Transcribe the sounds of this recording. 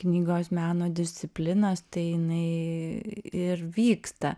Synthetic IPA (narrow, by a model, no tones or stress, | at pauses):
knʲiːɡoːsmʲæːnoːd̪ʲɪsʲt̪sʲɪpʲlʲɪnɐst̪ɐɪjɪnɐɪ | ɪɾʋʲiːkst̪ɐ